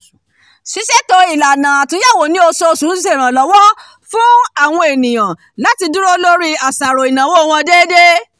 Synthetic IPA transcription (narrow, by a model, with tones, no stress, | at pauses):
ʃi˨˦ʃɛ˦to˧i˨la˨nã˨a˨tũ˧˦ja˦˨wo˨nĩ˦o˧sɔ˧sũ˨˦s̬e˦˨ɾ̃ã˨lɔ˨˦wɔ˦ | fũ˦a˦˨w̃ɔ̃˧e˨nĩ˨j̃ã˨ | la˦ti˧du˦ɾo˦lo˦ɾi˦a˨sa˨ɾo˨i˨nã˨wo˦˧w̃ɔ̃˧deː˦de˦